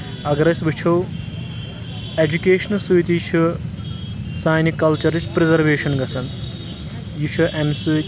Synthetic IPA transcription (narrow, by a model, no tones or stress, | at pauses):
ɐɡɐɾɐsbɨt͡ʃʰow | ed͡ʒukeːʃɐnɐsuit̪ijt͡ʃʰu | saːjnikɐlt͡ʃɐɾit͡ʃʰpɾezɐɾʋeːʃɐnɡɐsʰɐn | jut͡ʃʰuʔemsu